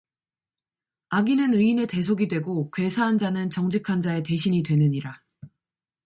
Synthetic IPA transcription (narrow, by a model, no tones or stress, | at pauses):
aɡinɯnɯine̞te̞sʰoɡidwe̞ɡokwe̞sʰaɦːnd͡ʑanɯnt͡ɕʌŋd͡ʑikʰand͡ʑae̞te̞ɕʰiɲidwe̞nɯɲiɾa